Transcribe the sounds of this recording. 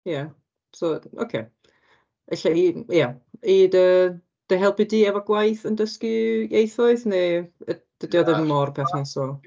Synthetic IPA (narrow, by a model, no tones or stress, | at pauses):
ja | soo̰kʰḛː | eɬaijaiːdə | d̥əɦɛlˠbɪdiɛvɔɡ̥wajθəndəskɪjejθɔɨðneə | d̥ədɪɔðəvimɔrpʰɛθnasoː